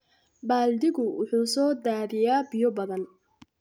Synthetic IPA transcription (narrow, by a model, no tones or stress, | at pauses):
baːld̪ɪɣʊwʊ̰ħuːsɔːd̪aːðɪjaːbɪjɔbɐðɐn